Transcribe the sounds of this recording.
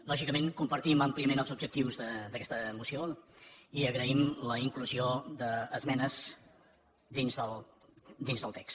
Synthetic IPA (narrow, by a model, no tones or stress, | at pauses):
lɔʒikəmeŋkumpəɾt̪iməmpliəmenəlˠzubd͡ʒək̚t̪iwzðəd̪əkɛst̪əːmusio | iəɣɾəimləiŋkluzioðəːzmɛnəz | d̪inzðəlˠd̪inzðəlˠt̪ɛks